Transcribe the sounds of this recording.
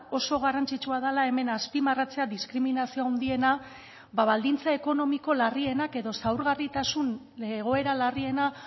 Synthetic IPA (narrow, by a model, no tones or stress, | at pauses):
o̞so̞ɣ̞arant͡sit͡ʃuað̞alae̞me̞naspimarat͡se̞aðiskɾiminasio̞awnd̪ie̞na | baβald̪int͡sae̞ko̞no̞miko̞larie̞nake̞ðo̞sawɾɣarit̪asun | leɣ̞o̞e̞ɾalarie̞na